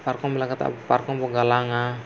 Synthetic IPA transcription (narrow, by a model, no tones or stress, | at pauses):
parkɔŋbilakat̪a̰parkɔŋpɔɡalaŋa